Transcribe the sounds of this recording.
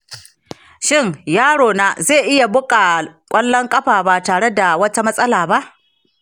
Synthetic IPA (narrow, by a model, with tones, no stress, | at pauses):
ʃɪ˦˨ŋjaː˦ɽoː˨naː˦zeː˦˨ʔɪ˦ja˨bʊ˦kʼa˨kʷʼɐ˦lːɔ˦ŋkʼɐ˦ɸaː˨ba˨taː˨ɽe˦da˨wɐ˦ta˦mɐ˦sʼɐ˦laː˨ba˦ʔ